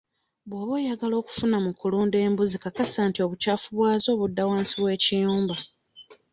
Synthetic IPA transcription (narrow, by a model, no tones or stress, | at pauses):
βwaːβweːjaɡalo̞ːku̥funamukuluːnde̞ːmbuzikakasaːntio̞ːβucaːfuβwaːzo̞ːβudːawaːnsiβwe̞ːcijuːmba